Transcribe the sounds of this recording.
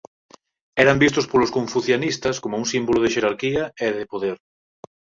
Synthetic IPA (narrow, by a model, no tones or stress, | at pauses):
ɛɾambist̪ʊspolʊskoɱfuθjonist̪ɐskomouŋsimboloðɪʃeɾaɾkiɐeðepoðeɾ